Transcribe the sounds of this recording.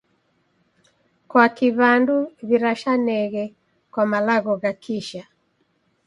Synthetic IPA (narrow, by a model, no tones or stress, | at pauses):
kwakiβanduβiɾaʃanɛɣɛ | kwamalaɣɔɣakʰiʃa